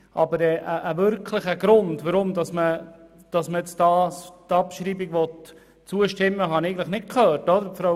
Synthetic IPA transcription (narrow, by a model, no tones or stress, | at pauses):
ʔɑ̰bəɾɛʔəʔəʋʏɾkʰləχəɡɾʊndʋəɾʊmd̪ɑsmə | d̥ɑsməɛt͡stɑːstɑpʃɾiːbiɡʋɔt | t͡suəʃtɪmːəɦɑnɛɪɡən̩tləχnɪt̚kʰœːɾtɔd̪əɾfɾo